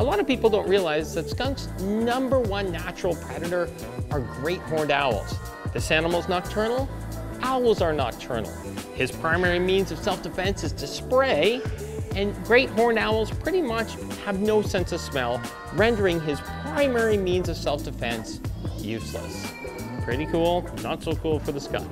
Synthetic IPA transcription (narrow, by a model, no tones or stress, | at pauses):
əlɑɾʌv̥pipl̩ˠdõʊ̃nʔɹiəlaɪzðɨtskʌ̃ŋksnʌ̃mbə˞wʌ̃nːæt͡ʃɹ̥l̩ˠkʰɹ̥ɛɾɨɾə˞ | ʔə˞ɡɹeɪt̚b̥ɔɹndaʊl̩ˠz̥ | ðɪsænəm̩l̩ˠznɑk̚tʰɜ˞nl̩ˠ | ʔaʊl̩ˠzə˞nɑ̰k̚tʰɜ̰˞nl̩ˠ | ɨz̥pʰɹ̥ãɪ̃mɛɹimĩnzʌv̥sɛlˠfd̥ɨfɛ̃nsɨzdɨspɹeɪ | ɨ̃nɡɹeɪt̚hɔɹndaʊl̩ˠz̥pʰɹ̥ɪɾimʌt͡ʃ | həvnoʊsɛ̃nsʌv̥smɛlˠ | ɹɛ̃ndə˞ɪ̃ŋɪz̥pʰɹ̥ãɪ̃mɛɹimĩnzʌv̥sɛlˠfd̥ɨfɛ̃nsjʉslə̰s | pʰɹ̥ɪɾikʰulˠnətsoʊkʰulˠfə˞ðəska̰ɪ